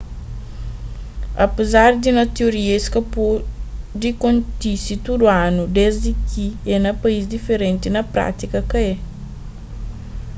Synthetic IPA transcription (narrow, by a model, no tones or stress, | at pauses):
ɐpəzaɾd̪inɐt̪eoɾieskɐpudikontisit̪udwanudɛsdikienɐpɐiz̬difeɾɛnt̪inɐpɾa̰t̪ikɐkɐje